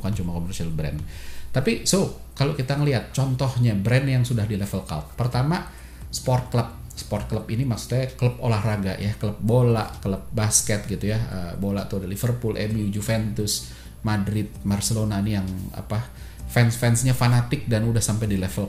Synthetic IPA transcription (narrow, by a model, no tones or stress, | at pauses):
kant͡ʃumakomərsialbɾɛ̰nt̪apiso | kalokit̪aŋəliɦat̪̚t͡ʃɔnt̪ɔhɲabɾɛnjaŋsudahdilɛfəlkalt̪̚pərt̪ama | spɔrt̪̚kləp̚ | spɔrt̪̚kləpinimaksu̥t̪̚ɲakələp̚olahraɡa̰ʔjakələp̚bola̰ʔkələp̚baskɛt̪̚ɡit̪ujaəbola̰ʔt̪uadalifərpʊlʔɛ̰miud͡ʒufɛnt̪ʊs | madɾɪt̪̚marsəlonainijaŋa̰pa | fɛnsfɛnsɲafanat̪ɪk̚danudahsampajdilɛfəl